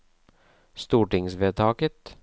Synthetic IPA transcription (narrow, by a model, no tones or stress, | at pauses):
st̪uːʈɪŋsʋeːt̪ʰɑːkət̪